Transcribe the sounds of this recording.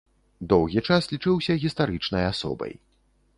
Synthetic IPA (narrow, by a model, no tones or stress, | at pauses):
d̪ɔwɣʲit͡ʂaslʲit͡ʂɨwsʲɐɣʲist̪aɾɨt͡ʂnɐjasɔ̰bɐ̰j